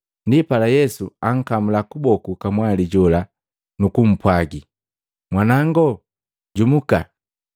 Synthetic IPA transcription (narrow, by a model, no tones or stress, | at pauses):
ndipalajɛsuaŋ̩kamulakubɔkukamwaliɟɔla | nukum̩pwaɡi | mwanaŋɡɔ | ɟumuka